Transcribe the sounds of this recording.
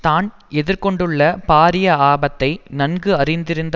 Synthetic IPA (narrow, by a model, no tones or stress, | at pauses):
t̪aːn | ɛðɪɾkɔɳɖɯɭːɐpaːɾɪjɐaːbɐt̪ːɐɪnɐnɡɯɐrɪnd̪ɪɾɯnd̪ɐ